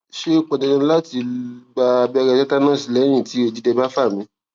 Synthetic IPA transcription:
ʃe˦k͡pɔ˨dɛ˧nã˧˦˧la˦ti˧ɡ͡ba˧bi˦a˧ɾɛ˧tɛ˦ta˦nãː˦˨si˨˧˦lɛ˨˦j̃ĩ˦˨ti˨˦o˧˨d͡ʒi˦dɛ˧ba˦fa˦˨mĩ˨˦

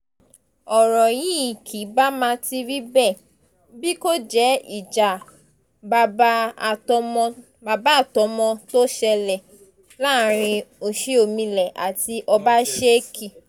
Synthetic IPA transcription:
ɔ˨ɾɔ˨jĩ˦i˨kʰi˨˦ba˦mã˧ti˧ɾi˦bɛ˦˨ | bi˦ko˦d͡ʒɛ˦i˦˨d͡ʒa˨ | ba˧ã˦˨˧ | ba˧ba˦a˦˨tɔ˧mɔ̃˧to˦ʃɛ˧lɛ˨ | la˦˨˦ɾ̃ĩ˧o˧˨ʃi˦o˨mĩ˧lɛ˨ʔa̰˨ti˧ʔɔ˧ba˦ʃe˦kʰi˦˨

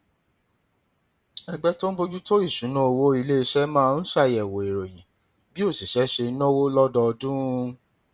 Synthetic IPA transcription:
ɛ˧ɡ͡bɛ˦to˦n̩˦bo˧˦d͡ʒu˦to˦i˦˨ʃũ˨˦nã˦o˧wo˦i˧le˦i˧ʃɛ˦mã˦˧n̩˦ʃa˦˨ɛ˨wo˨e˨ɾo˨jĩ˨˦ | bi˦o˦˨si˨ʃɛ˨˦ʃe˧˦nɔ̃˦wo˦lɔ˦dɔ˧dũ˦˧

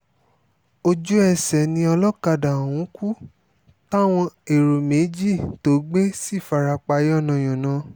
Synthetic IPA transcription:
o˧d͡ʒu˦ɛ˧˨sɛ˨nĩ˧ɔ˧lɔ˦ka˧da˨ũ˨˦ku˦ | ta˦˨w̃ɔ̃˧e˨ɾo˨me˨˦d͡ʒi˦˨to˨˦ɡ͡be˦si˦˨fa˧ɾa˧k͡pa˧jɔ˦˨nã˨j̃ɔ̃˨nã˨˦

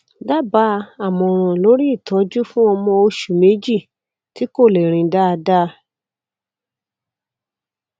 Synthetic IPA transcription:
da˦˨ba˨˦a˦˨mɔ̃˨ɾ̃ɔ̃˨lo˨˦ɾi˦i˦˨tɔ˨˦d͡ʒu˦fũ˦ɔ˧mɔ̃˧o˧ʃu˨me˨˦d͡ʒi˦˨ | ti˨˦ko˦˨le˨ɾ̃ĩ˨˦da˦a˧da˦

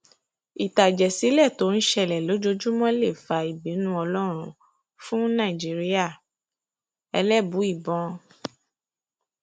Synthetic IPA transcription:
i˨ta˨d͡ʒɛ˨si˨˦lɛ˦˨to˨˦n̩˦ʃɛ˧˨lɛ˨lo˨˦d͡ʒo˧d͡ʒu˦mɔ̃˦le˦˨fa˧i˨bĩ˨˦nũ˦ɔ˧lɔ˦ɾ̃ũ˧˨ | fũ˦nã˦˨i˨d͡ʒi˨˦ɾi˦a˦˨ | ɛ˧lɛ˦˨bu˨˦i˦˨bɔ̃˧

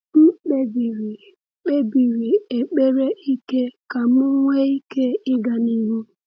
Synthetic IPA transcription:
m̩˦k͡pe˦bi˨ɾi˨ | k͡pe˦bi˨ɾi˨e˨k͡pe˦ɾe˦i˦ke˦ka˨m˦ʊ˦ŋʷe˦i˦ke˦ɪ˦ɡa˨ni˦ɾu˦

